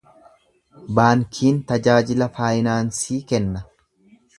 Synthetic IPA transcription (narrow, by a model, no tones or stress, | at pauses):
baːŋkʰiːnt̪ɐd͡ʒaːd͡ʒɪlɐfaːjɪnaːnsiːkɛnːɐ